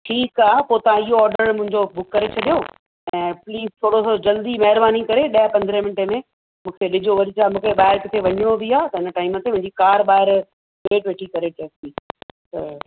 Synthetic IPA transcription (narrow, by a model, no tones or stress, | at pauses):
ʈʰiːkaːpoːt̪ɐʋ̤ãɪɦoɔːɾɖəɾmʊ̃ɦɪ̃ɲd͡ʑobʊkːɐɾet͡ɕʰɐɗijo | ɛ̃ːpliːzt̪ʰoːɽosod͡ʑɐld̪imɐɦɪɾbaːnikɐɾeɗɐɦpɐ̃nd̪ɾemɪnʈemẽ | mũːkʰeɗɪd͡ʑoʋɐɾit͡ɕaːmũːkʰeɓaːɪɾkɪt̪ʰeʋɐɲɪɽ̃obiaːt̪ɐɦɪnəʈaːɪmət̪emʊ̃ɦɪ̃ɲd͡ʑikaːɾɓaːɪɾ | ʋeːʈʋeːʈʰikɐɾeʈeːsiːt̪ɐ